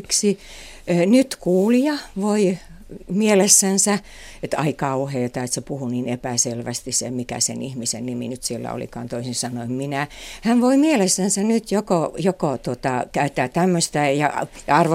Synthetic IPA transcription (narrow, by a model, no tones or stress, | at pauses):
ksi | nyt̪kuːliɑʋoi | mielesːænsæ | et̪ɑikɑuheːt̪ɑet̪sepuhuniːnepæselʋæst̪isḛmikæ̰sḛnihmisḛnnimḭnyt̪sielːæ̰o̰lḭkɑ̰ːnt̪oisinsɑnoimminæhænʋoimielesːænsænyt̪jokojokot̪uot̪ɑkæyt̪ːæːtt̪æmːøst̪æjɑ̰ | jɑɑrʋo